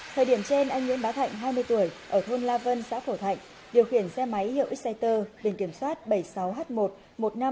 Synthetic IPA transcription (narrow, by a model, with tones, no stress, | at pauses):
t̪ʰəː˨˩ɗi˧˩əmt͡ɕe˧nʔaː˧ŋ̟ŋwḭ˧˥ənɓaː˨˦t̪ʰa̰˧˨jŋ̟ɦaː˧jmɨ˧əjt̪u˧˩əjʔəː˧˩t̪ʰo˧nlaː˧və˧nsa̰ː˧˥fo˧˩t̪ʰa̰˧˨jŋ̟ | ɗi˨˩əwxi˧˩ənsɛ˧ma˨˦jhḭ˧˨ə˨ʔi˦˥k̚sa˧jt̪əː˧ɓi˧˩nki˧˩əmswaː˦˥t̚ɓə˧˩jsa˨˦wɦaː˦˥t̚mo˨˩t̚ | mo˨˩t̚na˧m